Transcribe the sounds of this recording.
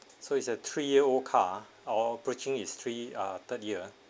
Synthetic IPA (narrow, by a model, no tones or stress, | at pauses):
soitsət̪ʰɹijiəolkʰa | ɔbɹit͡ʃɪ̃ŋist̪ʰɹiʌt̪ət̚jiə